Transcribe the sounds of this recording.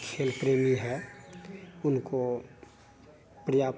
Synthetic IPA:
kʰeːlpɾeːmiɦɛ | ʊnko | pɾɪjaːp

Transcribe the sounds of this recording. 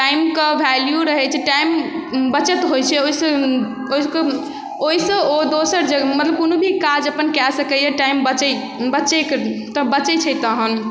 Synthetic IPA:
ʈajimkəbʱɛljuɾəɦɛt͡ʃʰɛʈaimbət͡ʃət̪ɦojt͡ʃʰɛoisə̃ | oisk | oisə̃od̪osəɾd͡ʒemət̪ləb̚konobʱikad͡ʒəpənkɛsəkəjɛʈaimbət͡ʃɛ | bət͡ʃɛkt̪əbət͡ʃɛt͡ʃʰɛt̪əɦən

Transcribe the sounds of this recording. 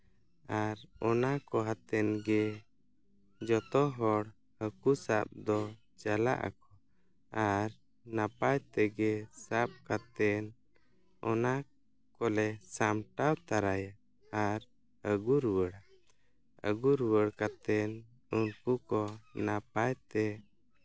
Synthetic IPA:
aɾɔnakɔɦat̪ɛnɡɛ | d͡ʒɔt̪ɔɦɔɽ | həkusap̚d̪ɔ | t͡ʃala̰ʔa̰kɔ | aɾ | napajt̪ɛɡɛsap̚kat̪ɛn | ɔna | kɔlɛsamʈawt̪aɾaja | aɾ | əɡuɾwəɽa | ə̰ɡuɾwəɽkat̪ɛn | unkukɔnap̚ajt̪ɛ

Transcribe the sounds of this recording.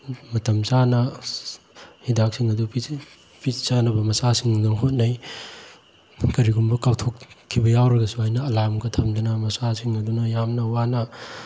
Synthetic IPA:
mɐtɐmsanɐ | hidak̚siŋɐdupi | pisanɐbɐmɐsasiŋdoŋɦot̚naj | kɐɾiɡumbɐkawtʰokkʰːibɐjawɾɐɡɐsuajnɐːlamɡɐtʰɐmdɐnɐmɐsasiŋɐdunɐjamnɐwanɐ

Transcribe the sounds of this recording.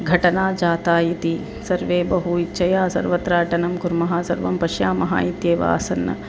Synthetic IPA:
ɡʱɐʈɐnaːd͡ʒaːt̪aːjit̪i | sɐɾʋeːbɐɦuitːʃʰɐjaːsɐ̰ɾʋɐt̪ɾaːʈɐnɐmkuɾmɐɦaːsɐɾʋɐmpɐʃjaːmɐɦa̰ːit̪jeːʋa̰ːsɐnːɐ̰

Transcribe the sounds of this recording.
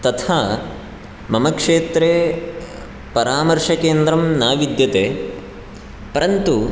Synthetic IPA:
t̪ɐt̪ʰaː | mɐmɐkʂeːt̪ɾeː | pɐɾaːmɐɾʂɐkeːnd̪ɾɐmnaːʋid̪jɐt̪eː | pɐɾɐnt̪u

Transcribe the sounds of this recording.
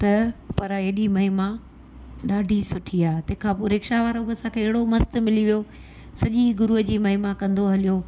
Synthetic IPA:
t̪ɐpɐɾeːɗimɐɦɪmã | ɗaːɖʱisʊʈʰiaːet̪ɐ̃ɦɪ̃kʰãːpoɾeːkʃaʋaːɾobɐsãkʰeːɪɦɪɽomɐst̪mɪliʋijo | sɐʄiɡʊɾuɦəd͡ʑiːmɐɦɪmãkɐ̃nd̪oɦɐlijo

